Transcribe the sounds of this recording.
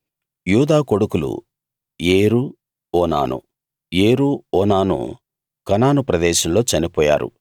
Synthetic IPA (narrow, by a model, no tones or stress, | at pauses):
juːd̪aːko̞ɽukulṵ | jeːɾu | ɔːna̰ːnṵ | jeːɾuɔːnaːnṵ | kɐnaːnupɾɐd̪ɛːʃɐmlo̞ːt͡ʃɐnipɔːja̰ːɾṵ